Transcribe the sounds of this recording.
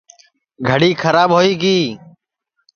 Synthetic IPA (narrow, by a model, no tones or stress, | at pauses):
ɡʱəɽiːkʰəɾaːbɦoːiːɡiː